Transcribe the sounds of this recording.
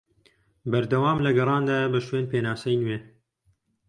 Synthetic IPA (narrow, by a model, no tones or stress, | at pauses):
bɐɾd̪ɐwaːmlɐɡɐrˤɑːnd̪aːbɐʃweːnpʰeːnaːsɐjnweː